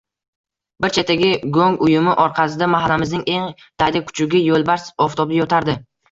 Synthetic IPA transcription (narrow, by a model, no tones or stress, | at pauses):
bɪɾt͡ʃʰet̪ːaɡʲɪɡoŋʊjʊmɪʔɒɾqʰɑsɪd̪amaɦalːamɪznɪŋe̞ŋ | d̪̥ad̪akʰʊ̥t͡ʃʰʊɡʲɪjolˠbaɾsɒft̪obɪjot̪ʰaɾd̪ɪ